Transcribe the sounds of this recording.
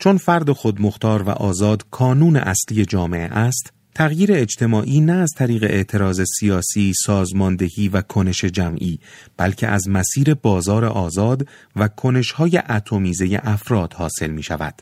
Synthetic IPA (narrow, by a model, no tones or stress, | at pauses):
t͡ʃʰo̞nfæɾd̪e̞xod̪moxt̪ɒːɾvæ̰ʔɒːzɒːd̪kʰɒːnuːne̞̰ʔæsliːje̞d͡ʒɒːme̞̰ʔḛʔæst̪ | t̪ʰæɣjiːɾe̞ːd͡ʒt̪ʰe̞mɒːʔiːnæːzt̪ʰæɾiːɣe̞ʔeʔt̪ʰe̞ɾɒːze̞sijɒːsiːsɒːzmɒːnd̪e̞hiːvækʰone̞ʃe̞d͡ʒæmʔiːb̥ælcʰḛʔæzmæsiːɾe̞bɒːzɒːɾe̞̰ʔɒːzɒːd̪ | vækʰo̞ne̞ʃhɒːjeʔæt̪ʰo̞miːze̞jḛʔæfɾɒːd̪̥hɒːse̞lmiːʃævæ̰d̪̥